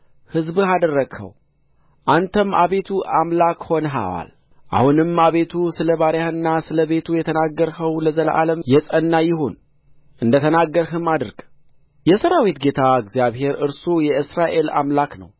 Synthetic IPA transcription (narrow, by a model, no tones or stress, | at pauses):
hɨzbɨhad̪ərːəɡhə̰w | ʔant̪ʰəmːʔa̰βet̪ʰuʔamlakho̞nɦa̰wa̰l | ʔa̰hunɨmaβe̞t̪ʰusɨləβaɾjahɨnːasɨləβe̞t̪ʰujɛt̪ʰənaɡːəɾhəwləzəlʔa̰ləmjɛsʼənːajɪɦon | ʔɨnd̪ət̪ʰənaɡːəɾɦɨmad̪ɨɾɡ | jɛsəɾawit̪ɡe̞t̪ʰaɨɡzjaβhe̞ɾɨɾsujɛɨsɾaʔe̞la̰mlaknə̰w